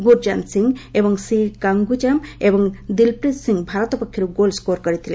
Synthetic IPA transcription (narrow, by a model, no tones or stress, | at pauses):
ɡuɾd͡ʒansiŋebɔŋsikaŋɡut͡ʃamebɔŋd̪ilpɾissiŋɡbʱaɾɔt̪ɔpɔkʰːjiɾuɡolskoɾkɔɾit̪ʰile